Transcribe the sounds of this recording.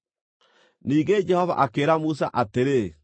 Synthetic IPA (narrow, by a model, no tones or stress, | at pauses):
niːɡed͡ʑɛhɔva̰ʔakeːɾamus̬a̰ʔateɾe